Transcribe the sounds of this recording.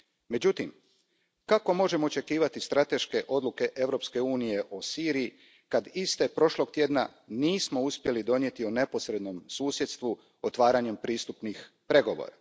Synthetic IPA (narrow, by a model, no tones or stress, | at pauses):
me̞d͡ʑut̪im | kako̞mo̞ʒe̞moːt͡ʃe̞kiːʋat̪ist̪ɾat̪e̞ʃke̞ʔo̞d̪lˠuke̞ʔe̞ʋɾo̞pske̞uːnije̞ʔo̞siːɾiji | kad̪ist̪e̞pɾo̞ʃlˠo̞ɡt̪je̞d̪na̰niːsmo̞uspʲje̞lid̪o̞nje̞t̪ione̞po̞sɾe̞d̪no̞msuːsje̞t̪st̪ʋu | ot̪ʋaːɾaɲempɾiːst̪upnix | pɾe̞ɡo̞ʋo̰ːɾa̰